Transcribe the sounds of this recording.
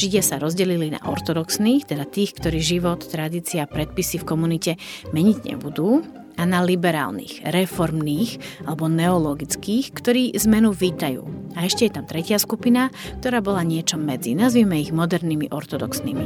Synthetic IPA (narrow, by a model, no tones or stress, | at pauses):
ʒiɟɪasaɾɔzɟɛlilina̰ʔɔ̰ɾt̪ɔd̪ɔksniːxt̪ɛd̪at̪iːxkt̪ɔɾiːʒiʋɔt̪ːɾad̪iːt͡siaːpɾɛt̪̚pisifkɔmunicɛmɛɲiɟɲɛ̰bud̪uː | analibɛɾa̰ːlnḭːxɾɛfɔɾmniːxalɛbɔnɛɔlɔɡit͡skiːxkt̪ɔɾiːzmɛnuʋiːt̪ajṵːaɛʃcɛjɛt̪amt̪ɾɛcɪaskupinak̚t̪ɔɾaːbɔlaɲɪɛt͡ʃɔmːɛd͡zḭnazʋiːmɛiɣmɔd̪ɛɾnimḭʔɔɾt̪ɔd̪ɔksnḭmḭ